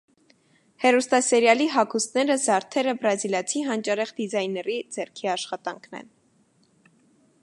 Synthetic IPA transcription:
hɛɾust̪ɑsɛɾjɑliɦɑkʰust̪nɛɾəzɑɾt̪ʰɛɾəbɾɑziljɑt͡sʰiɦɑnt͡ʃɑɾɛχd̪izɑjnɛɾid͡zɛɾkʰiɑʃχɑt̪ɑŋkʰnɛ̰n

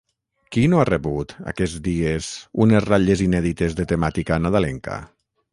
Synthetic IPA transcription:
kinoareβut̪a̰kɛd͡zðiezunesraʎezinɛðit̪ezðet̪emat̪ikanaðalɛŋka̰

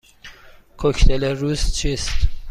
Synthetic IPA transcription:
kʰocʰt̪ʰeleɾuːzt͡ʃʰiːst̪

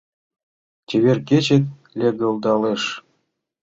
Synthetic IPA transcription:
t͡ɕʲeβʲerkʲet͡ɕĕt̪̚ | lʲeɡɤ̆lˠd̪ɑleʂ

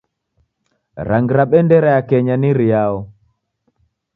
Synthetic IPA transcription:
ɾaŋɡɾaɓɛndɛɾajakɛɲaniɾiaɔ

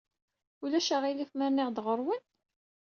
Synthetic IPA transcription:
ʊlæʃaʁilifməɾnɪʁd̪ʁəɾˤwən

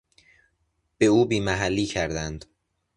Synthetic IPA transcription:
b̥e̞uːbiːmæɦælːiːcʰæɾd̪ænd̪̥

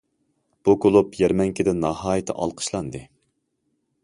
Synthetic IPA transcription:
b̥ukʰolˠupjɛɾmɛŋkʲʰɪd̪ɛnɑhɑːjɪt̪ʰɪ̰ʔɑ̰lˠqʰə̥ʃlˠɑnd̪ɨ

